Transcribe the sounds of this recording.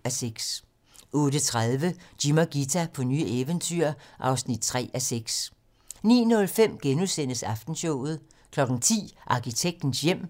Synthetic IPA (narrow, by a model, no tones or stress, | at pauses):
æseɡ̥s | ʔɔ̽ːdət͡sʰʁaðˠʋəd̥imɐɡ̥it͡sʰæpʰɒ̽ny̰ːeʋənt͡sʰyɐ̰ʔɑ̈ʊsnid̥̚t͡sʰʁɛ̰ːæseɡ̥s | nḭːnɔ̽lfem̰ɡ̥enusen̰əsɑ̈fd̥n̩ɕɔʊ̰ð̞̩ˠ | kʰlɒ̽ɡ̥ŋ̩t͡sʰḭːʔɑ̈kʰit͡sʰeɡ̥̚d̥n̩sjem̰